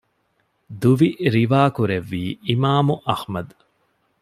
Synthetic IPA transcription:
d̪uʋiɾiʋaːkuɾeʋːiːimaːmuʔɐhmɐd̪

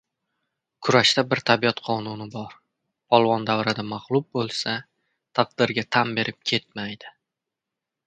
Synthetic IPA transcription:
kʰʊɾaʃt̪abɪɾt̪ʰabiɒt̪qʰɒnʊnɪbɒɾʰ | ɒlˠvɒnd̪awɾad̪amaʁlˠʊb̚bolˠsa | t̪ʰaq̚d̪ɪɾɡʲat̪ʰambe̞ɾʔɪp̚kʲʰe̞t̪̚majd̪̥ɪ

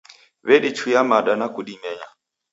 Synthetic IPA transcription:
βɛɗit͡ʃʰujamaɗanakuɗimɛɲa

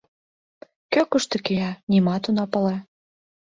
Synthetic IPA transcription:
køkəʃt̪ĕkeɑnimɑt̪unɑpɤ̆le

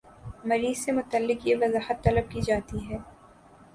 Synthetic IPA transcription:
mɐɾiːz̥semʊt̪əlːɪkjeʋɐzaːhət̪ːɐləb̚kid͡ʒaːt̪iɦɛː

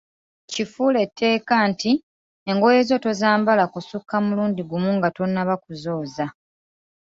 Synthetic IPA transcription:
cifuːle̞tʰːe̞ːkanti | eŋɡojezo̞to̞zaːmbalakosukːamuluːndiɡumuŋɡato̞nːaβakuzo̞ːza

